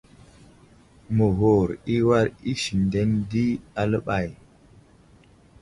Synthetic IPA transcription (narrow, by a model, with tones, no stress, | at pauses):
mə˨ɦo˨ɾi˦wa˦ɾi˦ʃi˨nde˦ndi˦a˨lə˦ɓa˨j